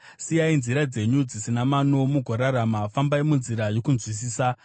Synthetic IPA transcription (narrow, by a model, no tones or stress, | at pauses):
sijainziɾad͡ze̞ɲud͡zisinamano̞muɡʱoɾaɾamafambaimunziɾajo̞kunzwis̬iːsa